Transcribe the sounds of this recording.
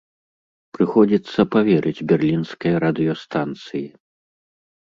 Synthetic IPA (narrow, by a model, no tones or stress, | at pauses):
pɾɨxɔd͡zʲit̪sːɐpavʲɛɾʔɨd͡zʲbʲɛrlʲinskɐjɐɾɐd̪ɨjɔst̪ant̪sɨji